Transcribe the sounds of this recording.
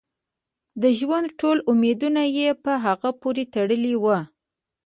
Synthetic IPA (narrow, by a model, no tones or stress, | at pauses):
d̪əʒwand̪ʈolumed̪unajepəɦaɣapoɾet̪aɽəliwə